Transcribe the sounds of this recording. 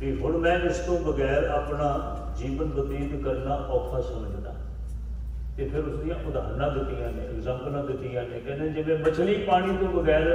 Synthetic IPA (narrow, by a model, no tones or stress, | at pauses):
ʋiːɦʊlmɛ̃ːɪst̪õːbəɡɛːɾaːpɳaː | d͡ʒiːʋənbət̪iːd̪kəɾnaːʔɔːkʰaːsəməd͡ʒd̪a̰ː | t̪eːpʰɪɾʊsd̪ijãːʔʊd̪a̰ːɾnãːd̪ɪt̪ːijãːnẽːɪɡzɛ̃ːmpəlãːd̪ɪt̪ːiːjãːnẽːkɛ̃ːnd̪ed͡ʒɪʋẽːbət͡ʃʰliːpaːɽ̃iːt̪õːbəɡɛːɾ